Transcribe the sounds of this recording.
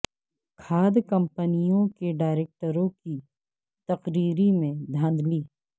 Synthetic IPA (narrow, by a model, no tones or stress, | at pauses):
kʰaːd̪kɐ̃mpənijõkeɖaːɪɾeːk̚ʈəɾõki | t̪ɐqɾiːɾimẽd̪ʱãːnd̪ʱliː